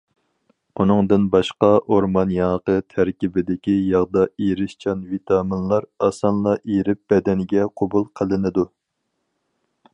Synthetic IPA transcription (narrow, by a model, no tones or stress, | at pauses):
unɨŋd̪ɨnbɑʃqɑʔoɾmɑnjɑŋəqət̪ʰæɾkʲibɪd̪ɪkʲijɑʁd̪ɑeɾɪʃt͡ʃʰɑnvit̪ʰɑːmɪnlˠɑɾɑsɑnlˠɑʔeɾɪp̚b̥ɛd̪ɛnɡʲɛqʰobulˠqʰəlˠɨnɨd̪u